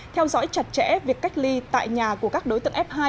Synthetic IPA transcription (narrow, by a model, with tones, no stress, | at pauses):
t̪ʰɛ˧wzɔ̰˧˥jt͡ɕa˨˩t̚t͡ɕɛ̰˧˥vi˨˩əkːa˦˥k̟̚li˧t̪a̰ː˧˨jɲaː˨˩ku˧˩əkaː˦˥k̚ɗo˨˦jt̪ɨ̰˧˨ʔɛ˦˥p̚haː˧j